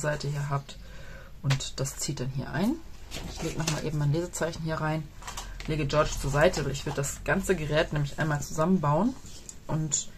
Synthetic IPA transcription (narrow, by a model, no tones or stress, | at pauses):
zaɪtʰəhiːɐɦaːp̚t | ʔʊntd̥ast͡siːt̚d̥anɦiːɐʔa̰ɪnʔɪçleːɡənɔχmaːlʔeːbm̩maɪnleːzət͡saɪçn̩ɦiːɐʁaɪn | leːɡəd͡ʒɔɐt͡ʃt͡suːɐzaɪtʰəvaɪçv̥ɪɐdədasɡ̥ant͡səɡəʁɛːtnɛːmlɪçʔa̰ɪnmaːlt͡suzamənbaʊənʔʊnt